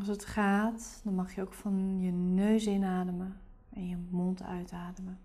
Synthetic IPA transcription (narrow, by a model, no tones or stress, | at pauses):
ls̬ətχaːtdɑnmɑχjəowkfɑnjənøɥsɪnaːdəmə | ʔɛnjəmontʰœ̰ɥtaːdəmə